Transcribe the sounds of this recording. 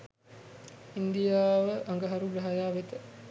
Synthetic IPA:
ind̪ijaːʋəʔaŋɡəɦaɾuɡɾɐɦajaːʋet̪ə

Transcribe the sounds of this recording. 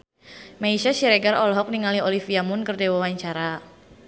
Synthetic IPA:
maiʃasiɾeɡarɔlɦɔk̚niŋaliolifiamʊnkərdewawaɲt͡ʃaɾa

